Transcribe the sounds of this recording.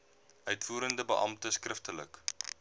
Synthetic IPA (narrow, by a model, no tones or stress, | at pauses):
œɥtfuːɾəndəbəʔɑ̰mtəskrəftələ̰k